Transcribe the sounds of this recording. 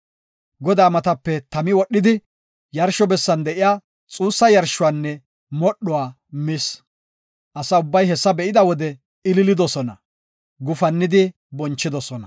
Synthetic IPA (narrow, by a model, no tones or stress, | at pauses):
ɡɔd̪aːmɐt̪ɐpːɛt̪ɐmɪwɔɗːɪd̪ɪ | jɐɾʃɔbɛsːɐnd̪ɛʔɪjaː | t͡sʼuːsːɐjɐɾʃʊwanːɛ | mɔɗʊwaː | mɪs | ʔɐsɐʊbːɐjɦɛsːɐbɛʔɪd̪ɐwɔd̪ɛ | ɪlɪlɪd̪ɔsɔnɐ | ɡʊfɐnːɪd̪ɪ | bɔnt͡ʃːɪd̪ɔsɔnɐ